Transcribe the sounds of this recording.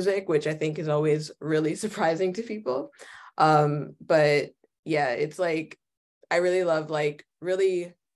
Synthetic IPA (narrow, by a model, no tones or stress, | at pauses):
zɪkwɨt͡ʃaɪθɪ̃ŋkɨzɔlˠwizɹɪlˠisə˞pʰɹ̥aɪzɪ̃ŋtʰɨpʰipl̩ˠʔʌ̃mb̥ʌt̚ | jæɪ̰tslaɪk | aɪɹɪlˠilʌvlaɪk | ɹɪlˠi